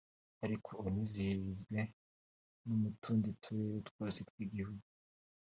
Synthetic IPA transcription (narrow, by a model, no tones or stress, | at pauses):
aɾikʰoːnizihizɡwe | numutʰuːnditʰuɾeɾutwoːset̚wiɡihuɡu